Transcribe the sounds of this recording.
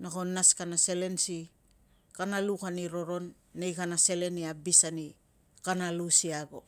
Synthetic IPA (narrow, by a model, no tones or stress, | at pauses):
nako̞nːaskanase̞le̞nsi | kanalukaniɾo̞ɾo̞nː | ejkanase̞le̞niabisani | kanalusiaɡo̞